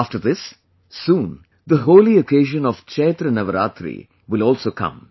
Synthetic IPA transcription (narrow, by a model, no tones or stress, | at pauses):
afʈəɾd̪ɪs | sːũːn | d̪əɦoːliokeːʒə̃nɔʋt͡ʃeːt̪ɾənɐʋəɾa̰ːt̪ɾḭ | ʋɪlɔːlsoːkʌ̰̃m